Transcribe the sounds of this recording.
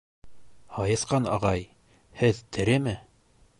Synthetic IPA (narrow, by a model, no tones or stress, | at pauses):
hɑjɤ̆sqɑnɑ̰ʁɑj | hɘðt̪ʰɘ̆ɾɘmɘ